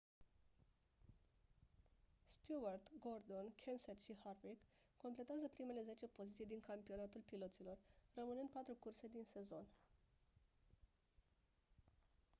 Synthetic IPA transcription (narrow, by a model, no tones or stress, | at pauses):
st̪juart̪ɡo̞rd̪o̞nkʰensetʃiharvikːo̞mple̞t̪eazəpɾime̞le̞ze̞t͡ʃe̞po̞zit̪sijd̪iŋkampio̞nat̪ulpilo̞t̪silo̞rrəmɨnɨnd̪̚pat̪ɾukurse̞d̪inse̞zo̞n